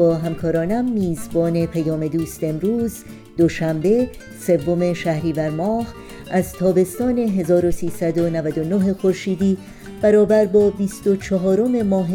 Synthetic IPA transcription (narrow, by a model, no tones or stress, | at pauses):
ɒːɦæmkʰɒːɾɒːnæmːiːzbɒːne̞pʰæjɒːme̞d̪uːst̪e̞mɾuːz | d̪o̞ʃæmbe̞ | se̞vːo̞me̞ʃæhɾiːvæɾmɒːh | ʔæzt̪ʰɒːbe̞st̪ɒːne̞ɦe̞zɒːɾo̞siːsæd̪o̞nævæd̪o̞noɦe̞xo̞ɾʃiːd̪iː | b̥æɾɒːbæɾbɒːbist̪o̞t͡ʃʰɒɦɒːɾo̞me̞mɒːɦe